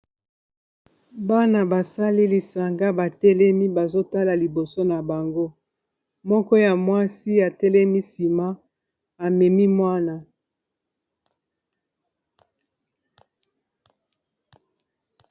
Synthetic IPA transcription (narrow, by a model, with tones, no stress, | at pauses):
ba˦na˨ba˨sa˦li˦li˨sa˨ŋɡa˦ba˨tɛ˦lɛ˦mi˦ba˨zo˦ta˦la˨li˨bo˨so˦na˨ba˨ŋɡo˦ | mɔ˦kɔ˦ja˨mwa˦si˦a˨tɛ˦lɛ˦mi˦si˨ma˦ | a˨mɛ˨mi˦mwa˦na˨